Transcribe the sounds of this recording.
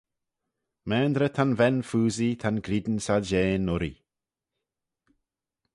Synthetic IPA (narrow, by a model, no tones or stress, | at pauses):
mɛːnd̪ɾət̪ʰanvɛnfuːzit̪ʰanɡɾid̪n̩salʒeːnʊɾḭ